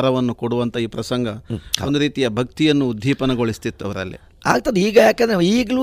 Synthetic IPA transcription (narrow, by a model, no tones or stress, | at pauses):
ɾɐʋɐnːukoɽuʋɐnt̪ʰɐiːpɾɐsɐŋɡɐkond̪uɾiːt̪ijɐbʱɐk̚t̪ijɐnːuːd̪ʱːiːpɐnɐɡoɭist̪it̪ːɐʋɐɾɐ̰lːḭ | a̰ːɡ̚t̪ɐnd̪eiːɡɐjaːkɛnd̪ɾeiːɡlu